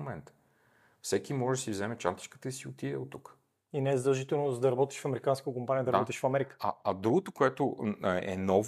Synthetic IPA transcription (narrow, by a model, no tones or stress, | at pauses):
mɛnt̪ | fsɛkimɔʒd̪ɐsivzɛmɛt͡ʃa̰nt̪i̥t͡ʃkə̥t̪əisiot̪iɛ̰ot̪ːuk | inɛɛzəd̪ɐlˠʒit̪ɛlˠnozd̪ɐɾɐbɔt̪i̥ʃfɐmɛɾikanskət̪okompaniəd̪ɐɾɐbɔt̪iʃfɐmɛɾikə̥a̰ɐd̪ɾuɡot̪okoɛt̪oɛ̰nɔv